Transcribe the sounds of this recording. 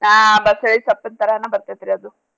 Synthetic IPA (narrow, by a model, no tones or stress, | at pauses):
nabɐseɭisɐpːɐnt̪ɐɾɐnɐbɐɾt̪ajt̪iɾiɐd̪u